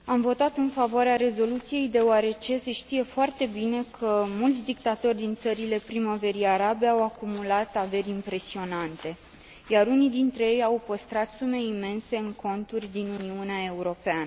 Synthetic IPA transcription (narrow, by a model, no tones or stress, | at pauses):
amvo̞t̪at̪ɨnfavoaɾeaɾe̞zo̞lut̪sije̞jd̪e̞oaɾe̞t͡ʃe̞se̞ʃt̪ije̞foart̪e̞bine̞kʰəmult̪sʲd̪ik̚t̪at̪o̞rʲd̪int̪səɾile̞pɾimave̞ɾijaɾabe̞awakumulat̪ave̞rʲimpɾe̞sio̞nant̪e̞ | jaɾunid̪int̪ɾe̞je̞jawpəst̪ɾat̪sume̞ime̞nse̞ɨŋkʰo̞nt̪urʲd̪inuniuneae̞uɾo̞peanə